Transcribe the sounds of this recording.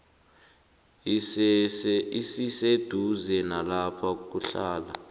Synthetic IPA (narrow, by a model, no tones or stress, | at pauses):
isised̥ʱuzɛnalapʰak̬ʼuɬaːla̰